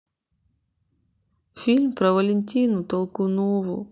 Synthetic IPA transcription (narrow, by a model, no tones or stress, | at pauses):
fʲilʲmpɾɐʋɐlʲenʲtʲinʊt̪ɔlˠkʊnɔʋʊ̰